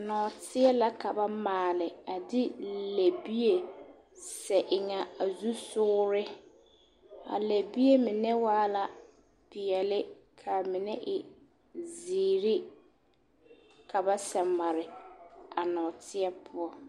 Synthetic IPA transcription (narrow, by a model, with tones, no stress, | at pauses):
a˨nɔː˨tɪ˦ɛ˦la˦ka˨ba˦maː˨lɪ˨a˨dɪ˦le˨bi˦e˨ | sɛ˨ʔɪ˨ŋa˨a˨zu˦sʊː˦ɾɪ˦ | a̰˨le˨bi˦je˦mɪ˨nɛ˦waː˦la˨ | pɪ˨ɛ˨lɪ˦ | kʰa˨mɪ˨nɛ˦ʔɪ˨ | ziː˨ɾɪ˦ | kʰa˨ba˦sɛ˨ma˨ɾɪ˨a˨nɔː˨tʰɪ˦ɛ˦pʰʊ˦ɔ˦